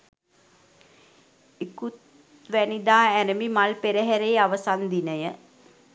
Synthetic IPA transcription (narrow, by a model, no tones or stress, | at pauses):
ikut̪ | ʋænid̪aːænəmimalpeɾəɦæɾeːaʋəsand̪inəjə